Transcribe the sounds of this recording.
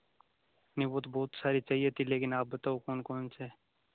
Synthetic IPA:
nĩːboːt̪boːt̪saːɾit͡ʃaːɦijet̪ʰileːkɪnaːp̚bət̪aːokoːnkoːnseː

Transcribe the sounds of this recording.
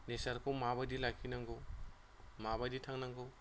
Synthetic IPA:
nesɐɾkʰomabajdilakʰinɐŋɡo | maβaditʰaŋnaŋɡɔ

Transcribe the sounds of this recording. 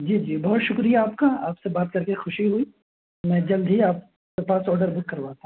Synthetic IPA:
d͡ʒiːd͡ʒiːbɔːt̪ʃʊkɾijaaːpkaaːpsebaːt̪̚kɐɾkexʊʃiɦuiː | mɛ̃ːd͡ʒɐld̪ʱɦiaːp̚ | kepaːsɔːɖəɾbʊkːɐɾʋaːt̪aɦ

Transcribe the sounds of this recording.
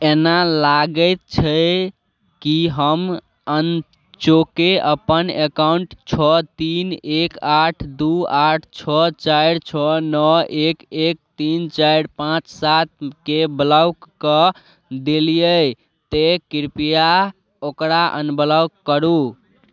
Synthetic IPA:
enalaɡəɪt̪̚t͡ʃʰə | kiɦəm | ən | t͡ʃokeəpənekauɳʈt͡ʃʰɔt̪inekaʈʰd̪uaʈʰt͡ʃʰɔt͡ʃajɾt͡ʃʰɔnəekek̚t̪int͡ʃaɾpãt͡ʃsat̪̚kebəlawkkə | d̪elijəj | t̪ekiɾpija | okɾaʔə̰nbəlawkːəɾu

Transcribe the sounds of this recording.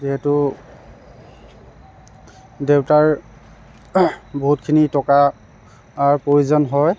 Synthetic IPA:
ziɦɛtʊ | dewtaɹ | boɦutkʰinitɔkaː | ɹpɹojuzɔnɦɔj

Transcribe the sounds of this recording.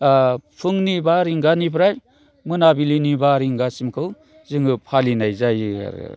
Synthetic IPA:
apʰɯŋnibaɾiŋɡanipʰɾaj | mɯnabilinibaɾiŋɡasimkʰɯw | zɯŋɯpʰalinajzajɯa̰ɾ̰

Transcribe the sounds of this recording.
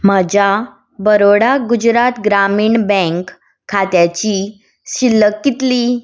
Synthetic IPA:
məd͡ʑa | bəɾoɽaɡud͡ʑɾat̪ɡɾamiːɳbɛ̃ŋkʰː | at̪jat͡ɕi | ɕilːəkːit̪li

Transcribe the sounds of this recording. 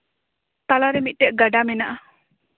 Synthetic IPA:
t̪alaɾemiʔ̪̚ˀʈeʔɡaɖamenaʔa

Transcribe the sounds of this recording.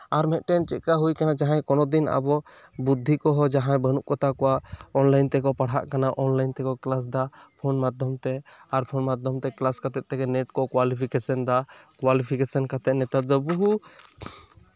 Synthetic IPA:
aɾmɛt̪̚ʈɛnt͡ʃɛʔ̪̚kaɦujkanad͡ʒaɦãjkɔnɔd̪ina̰bɔ | bud̪ʱːikɔɦɔd͡ʒaɦãjbənuʔkɔt̪akɔwaʔɔnlajnt̪ɛkɔpaɽɦa̰ʔkanaʔɔnlajnt̪ɛkɔklas̬d̪apʰɔnmad̪ʱɔmt̪ɛaɾpʰɔnmad̪ʱɔmt̪ɛklaskat̪ɛt̪̚t̪ɛɡɛnɛʈkɔkwalipʰikɛsənd̪akwalipʰikɛsənkat̪ɛnɛt̪at̪̚d̪ɔbuɦu

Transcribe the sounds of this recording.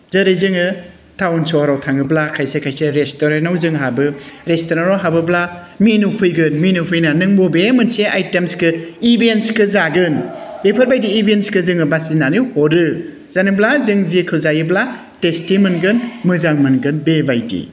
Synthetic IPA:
zɐɾizɯŋɯ | tʰawnsɔɾawtʰaŋɯblakʰajsekʰajseɾestoɾenawzɯŋɦabɯɾestoɾaɾɔɦabɯbla | minupʰujɡɯnminupʰɯjnanɯŋbobemɯnseʔajtemskɯibentskɯzaɡɯnbepʰɯɾbajdiːbʱentskɯzɯŋɯbasinanihɔɾɯ | z̥aniblazɯŋzikʰɯwzajibla | testimɯnɡɯnmɯzaŋmɯnɡɯnbebajdḭ

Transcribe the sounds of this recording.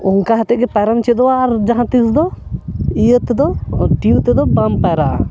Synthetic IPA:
ɔŋkaɦat̪ɛɡɛpaɾamt͡ʃʰid̪ɔaɾd͡ʒaɦãt̪isd̪ɔ | ijət̪ɛd̪ɔʈiut̪ɛd̪ɔbampɛɾa̰

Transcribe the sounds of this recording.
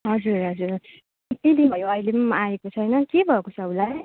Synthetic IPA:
ɦʌd͡zurɦʌd͡zur | t̪id̪inbʱʌjoʌjlemʌaekot͡sʰʌjnʌkebʱʌekot͡sʰʌulaj

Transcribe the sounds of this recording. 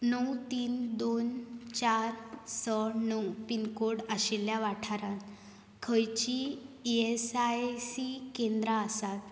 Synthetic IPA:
nəwt̪iːnd̪ont͡ɕaɾsənəwpinkoɽaɕiljaʋaʈʰaɾãt̪ | kʰəjt͡ɕiesasikẽnd̪ɾaəsat̪

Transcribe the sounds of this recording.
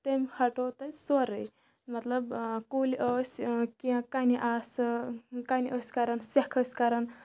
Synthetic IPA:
t̪emhʰɐʈot̪ɐjsoɾəj | mɐt̪ləbkoliʔəskiãkaniʔas | kaniʔəsʲkaɾənsekʰəsʲkaɾən

